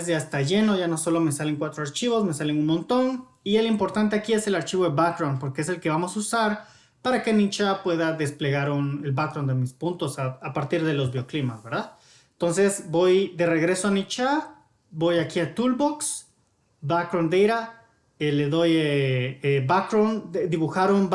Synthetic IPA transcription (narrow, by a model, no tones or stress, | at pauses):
sjaest̪aʝe̞no̞ʝano̞so̞lo̞me̞sale̞ŋkwat̪ɾoaɾt͡ʃiβo̞sme̞sale̞ŋunmõnt̪o̞n | ielimpo̞ɾt̪ant̪e̞akie̞se̞laɾt͡ʃiβo̞ðeβakɾawnpo̞ɾkees̬e̞lkeβamo̞susaɾ | paɾake̞nit͡ʃapwe̞ðaðe̞sple̞ɣaɾunelbakɾawnd̪e̞mispunt̪o̞saapaɾt̪iɾðe̞lo̞zβjo̞klimasβe̞ɾðað | ent̪o̞nse̞sbo̞jd̪e̞re̞ɣɾe̞soanit͡ʃa | bo̞jakiat̪ulboks | bakɾond̪ejɾa | ele̞ðo̞jeebakɾoned̪iβuxaɾon